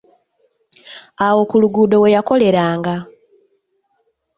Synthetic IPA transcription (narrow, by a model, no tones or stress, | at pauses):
awo̞kuluɡuːdo̞we̞jako̞le̞ɾaːŋɡa